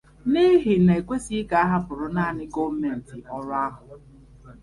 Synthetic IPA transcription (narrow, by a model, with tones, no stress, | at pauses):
ni˦ɦɪ˨ne˨e˨kʷe˦si˦ka˨a˦ɦa˦pʊ˨ɾʊ˨na˦a˨nɪ˦ɡo˦me˨n̩˨tɪ˨ɔ˦ɾʊ˦a˦ɦʊ˨